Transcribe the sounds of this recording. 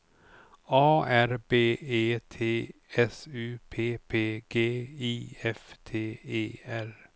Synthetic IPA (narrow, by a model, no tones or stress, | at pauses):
ɑːæɾbeːeːt̪ʰeːɛsʉːpʰeːpʰeːɡ̥eːiːɛft̪ʰeːeːæɾ